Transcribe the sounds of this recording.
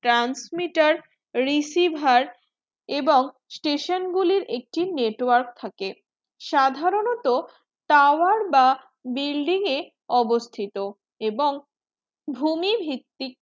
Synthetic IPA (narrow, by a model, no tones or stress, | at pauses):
ʈɾansmiʈaɾː | isibʱaɾ | eboŋ | sʈeʃonɡuliɾek̚ʈineʈwaɾk̚t̪ʰake | ʃad̪ʱaɾonot̪o | t̪awaɾba | bilɖiŋe | ɔbost̪ʰit̪o | eboŋ | bʱumibʱɾit̪ːik̚